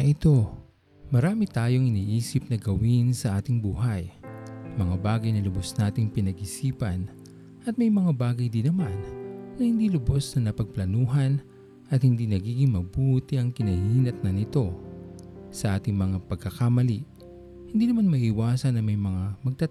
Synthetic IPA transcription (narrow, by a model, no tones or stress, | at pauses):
ɐʔɪt̪o̞ | mɐɾaːmɪt̪aːjo̞ŋɪniːʔiːsɪp̚nɐɡɐwinsɐʔaːt̪ɪŋbuːɦɐjmɐŋabaːɡɐjnɐlʊbosnaːt̪ɪŋpɪnɐɡʔɪsiːpɐn | ʔɐt̪̚mɐjmɐŋabaːɡɐjd̪ɪnɐmanːɐhɪnd̪ilʊbosnɐnɐpɐɡ̚plɐnuːɦɐn | ʔɐt̪hɪnd̪inɐɡiːɡɪŋmɐbuːt̪ɪʔɐŋkɪnɐhiːnɐt̪̚nɐnɪt̪o̞ | sɐʔaːt̪ɪŋmɐŋapɐɡ̚kːɐkamɐliʔ | hɪnd̪iːnɐmanmɐʔiwaːsɐnːɐŋmɐjmɐŋamɐɡ̚t̪a